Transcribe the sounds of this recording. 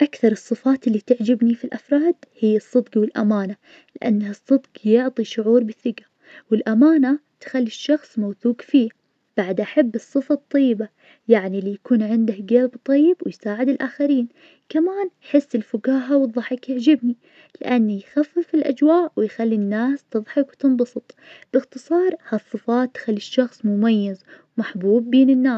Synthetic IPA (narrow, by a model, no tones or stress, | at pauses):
ʔakθɑɾˤɨsˤːɨfaːt̪ɪlːit̪ɪʕd͡ʒɪbnifilʔafɾˤɑːd̪hɪjːasˤːɨd̪ɡwɪlʔa̰maːna | lɪʔa̰nːahɨsˤːɨd̪ɡjʊʕt̪ˤiʃʊʕuːɾbɪθːɪɡa | wɪlʔamaːnat̪xalːiʃːɑxsˤmawθuːɡfiː | b̥aʕd̪ʔaħabːɨsˤːɨfɑt̪ˤːɑjːɪba | jaʕnilːijakuːnʕɪnd̪ahɡalbt̪ˤɑjːɪbwɪjsaːʕɪd̪ɪlʔaːxaɾiːn | kamaːnħɪsːɪlfʊɡaːɦawðˤːɑħɪkjaʕd͡ʒɪbni | lɪ̰ʔanːijxafːɪfɪlʔa̰d͡ʒwaːʔwɪjxalːinːaːst̪ɨðˤħɑkwt̪ɨnbɑsˤɨt̪ˤbɪxt̪ɨsˤɑːɾˤhasˤːɨfaːt̪ːxalːiʃːɑxsˤmʊmajːaz | maħbuːbːeːnɪnːaː